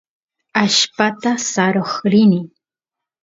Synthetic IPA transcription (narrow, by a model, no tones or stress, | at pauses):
aʃpat̪asaɾoχɾɪnɪ